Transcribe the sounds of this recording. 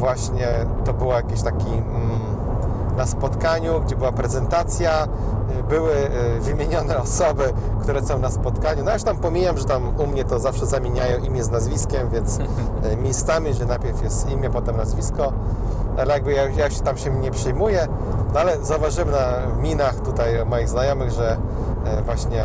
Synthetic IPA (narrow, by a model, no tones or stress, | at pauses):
vwaɕɲɛt̪ɔbɘwajakʲeɕt̪akʲi | naspɔt̪kaɲuɡd͡ʑɛbɘwapɾɛzɛnt̪at̪sʲja | bɘwɘvɘmʲeɲɔnɛɔsɔbɘ | kt̪uɾɛsɔ̃w̃naspɔt̪kaɲunɔjajuʃt̪ampɔmʲijamʐɛt̪amumɲɛt̪ɔzafʂɛzamʲjeɲajɔ̃w̃ʔimʲjɛznazvʲiskʲɛmvʲjɛnt̪s | mʲejst̪amʲiʐɛnajpʲɛɾfjɛst̪imʲjɛpɔt̪ɛmnazvʲiskɔ | alɛjaɡ̚bɘjaujauɕɛt̪amɕɛɲɛpʂɘjmujɛ | nɔalɛzauvaʐɘwɛnamʲinaxt̪ut̪ajmɔjiɣznajɔmɘɣʐɛ | vwaɕɲɛ